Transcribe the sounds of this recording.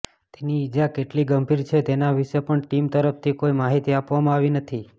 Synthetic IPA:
t̪eniːd͡ʒakeʈliɡəmbʱiɾt͡ʃʰet̪enaʋiʃepəɳʈimt̪əɾəft̪ʰikoimaɦit̪iapʋamãaʋinət̪ʰi

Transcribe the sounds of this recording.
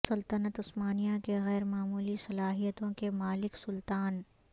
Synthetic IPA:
sɐlt̪ənət̪ʊsmaːnijakeɣɛːɾmaːmuːlisɐlaːɦijət̪õkemaːlɪksʊlt̪aːn

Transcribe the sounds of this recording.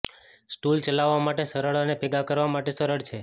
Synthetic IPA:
sʈult͡ʃəlaʋːamaʈesəɾəɭənepɛɡakəɾʋamaʈesəɾəɭt͡ʃʰe

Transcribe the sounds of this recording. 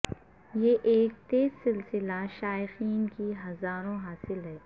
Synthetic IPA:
jeʔeːk̚t̪eːzsɪlsɪlaʃaːɪxiːnkiɦɐzaːɾõɦaːsɪlɦɛː

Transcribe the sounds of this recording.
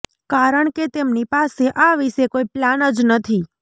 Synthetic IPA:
kaɾəɳket̪emnipaseʔaʋiʃekoiplanəd͡ʒnət̪ʰi

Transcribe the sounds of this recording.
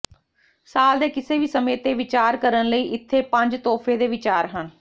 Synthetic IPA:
saːld̪eːkɪseːʋiːsəmeːt̪eːʋɪt͡ʃaːɾkəɾənləiːʔɪt̪ʰːeːpə̃ɲd͡ʒt̪ɔːfʰeːd̪eːʋɪt͡ʃaːɾɦən

